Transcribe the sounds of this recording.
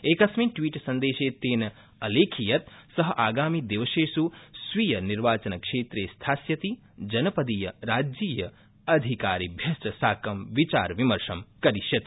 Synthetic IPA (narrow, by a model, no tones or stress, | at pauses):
eːkɐsmiːʈʋiːʈsɐnd̪eːʃeːt̪eːnɐ | ɐleːkʰijɐt̪sɐɦɐʔaːɡaːmid̪iʋəseːsusʋijɐniɾʋaːt͡ʃɐnɐkʂeːt̪ɾeːst̪ʰaːsjɐt̪i | d͡ʒɐnɐpɐd̪ijɐɾaːd͡ʒiːjɐ | ɐd̪ʱikaːɾibʱjɐsʈɐsaːkɐmʋit͡ʃa̰ːɾʋimɐɾʂɐmkɐɾiʃjɐt̪